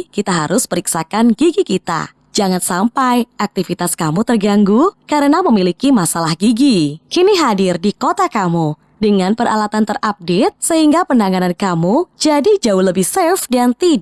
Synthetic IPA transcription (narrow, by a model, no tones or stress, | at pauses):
kit̪aɦaɾʊspəɾiksakanɡiɡikit̪a̰ | d͡ʒaŋansampajʔak̚t̪ifit̪askamut̪ərɡaŋɡukaɾənaməmilikimasalahɡiɡikiniɦadɪrdikot̪akamu | dəŋanpəra̰lat̪ant̪ərʔap̚det̪̚səɦiŋɡapəndaŋanankamud͡ʒadid͡ʒaʊhləbɪhsefdant̪i